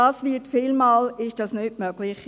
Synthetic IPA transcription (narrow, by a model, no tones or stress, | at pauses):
ɑːsʋiːətfɪlmɑːlɪʃd̥ɑsnytmœɡ̥lɪχ